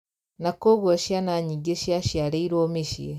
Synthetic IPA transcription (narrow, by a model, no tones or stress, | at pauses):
nakoɣoʃjanaɲiɡeʃjaʃjaɾeiɾoːmiʃjḛ